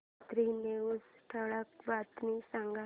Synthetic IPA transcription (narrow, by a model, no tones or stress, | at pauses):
t̪ɾineud͡zʈʰəɭakbat̪nisãŋɡa